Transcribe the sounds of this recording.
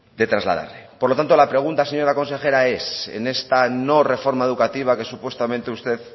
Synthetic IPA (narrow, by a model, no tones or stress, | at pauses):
d̪e̞t̪ɾazla̰ð̞a̰ɾlepoɾlo̞t̪ant̪o̞lapɾe̞ɣ̞unt̪aseɲo̞ɾako̞nse̞xe̞ɾae̞sḛne̞st̪ano̞re̞fo̞ɾmaeð̞ukat̪iβ̞ake̞supwe̞st̪amẽnt̪eust̪e̞ð